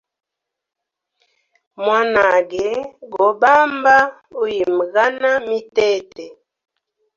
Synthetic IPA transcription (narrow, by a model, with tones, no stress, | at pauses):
mwa˦na˨ɡɛ˨˦ɡɔ˨˦ba˦mba˦ | u˦ji˨m˨ɣa˦na˦mi˦tɛ˦˨tɛ˨